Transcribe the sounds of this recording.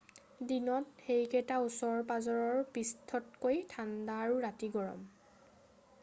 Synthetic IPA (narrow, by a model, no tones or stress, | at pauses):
dinɔtxejkɛtausɔɹpazɔɹɔɹpistʰɔt̚kojtʰandaːɹuɹatiɡɔɹɔ̰m